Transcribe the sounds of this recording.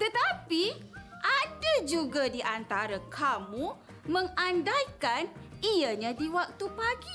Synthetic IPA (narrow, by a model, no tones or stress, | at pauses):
t̪ət̪apiʔadad͡ʒuɡadiʔant̪aɾakʰamũ | mə̃ŋandajkaniaɲãdiwak̚t̪upaɡi